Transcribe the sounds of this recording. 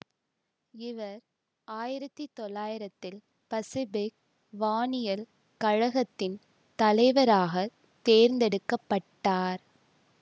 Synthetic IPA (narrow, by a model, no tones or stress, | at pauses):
ɪʋɐɾ | aːjɪɾɐt̪ːit̪ːɔlːaːjɪɾɐt̪ːɪl | pɐsɪbɪk̚ | ʋaːnɪjɐl | kɐɻɐɣɐt̪ːɪn | t̪ɐlɐɪʋɐɾaːɣɐ | t̪eːɾnd̪ɛɽɯkːɐpːɐʈːaːɾ